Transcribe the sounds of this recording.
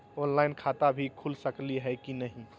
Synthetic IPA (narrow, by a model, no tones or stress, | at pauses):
oːnlaɪnkʰat̪abʱikʰulsəkliɦɛkinəɦĩ